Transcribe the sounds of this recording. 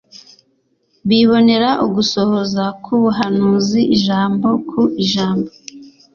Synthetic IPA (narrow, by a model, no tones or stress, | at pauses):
βiβo̞ne̞ɾaʔuɡuso̞hozakʰuβuɦanuːziʔiʒaːmbo̞kʰuʔiʒaːmbo